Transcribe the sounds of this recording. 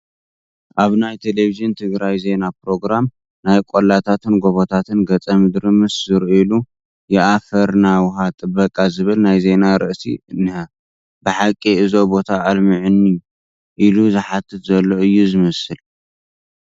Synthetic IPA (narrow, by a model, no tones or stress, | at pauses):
ʔaβnajt̪ʰelevizɨnt̪ʰɨɡɾajze̞napɾo̞ɡɾam | najkʼolat̪ʰat̪ʰɨnɡo̞βot̪ʰat̪ʰɨnɡɐt͡sʼɐmɨd̪ɾɨmɨszɨɾʔilu | jɪʔafɐɾnawʊɦat̪ʼɨbɐkʼazɨβɨlnajze̞naɾɨʔsḭnɨhɐ | bɨħakʼːiɨzo̞bo̞t̪ʰaːlmɨʕɨnːi | ʔiluzɨħat̪ʰːɨt̪zɐlːo̞ɨjːuzɨmɐsɨl